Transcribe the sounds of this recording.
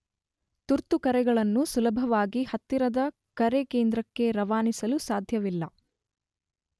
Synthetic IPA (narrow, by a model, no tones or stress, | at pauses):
t̪uɾt̪ukɐɾɛɡɐɭɐnːusulɐbʱɐʋaːɡihɐt̪ːiɾɐd̪ɐ | kɐɾekeːnd̪ɾɐkːe̞ɾɐʋaːnisɐlusaːd̪ʱjɐʋilːɐ